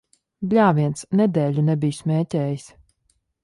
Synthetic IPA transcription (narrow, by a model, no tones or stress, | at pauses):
blʲaːvʲiɛnsnɛd̪ɛːlʲunɛbijsmʲɛːtʲɛːjis